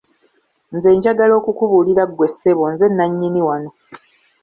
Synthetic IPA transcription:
nze̞ːɲɟaɡalo̞ːkukuβuliɾaɡwe̞sːe̞βo̞nze̞nːaɲːiniwano̞

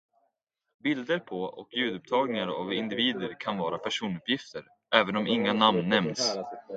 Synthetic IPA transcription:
bɪld̪əɾpʰɔɔ̰kjʉ̟ːd̪ɵp̚t̪ʰɑːɡnɪŋaɾa̰vɪnd̪ɪviːd̪əɾkʰanvɑːɾapʰæʂuːnɵpjɪft̪əɾ | ʔɛːvənɔmɪŋːanamnːɛmns

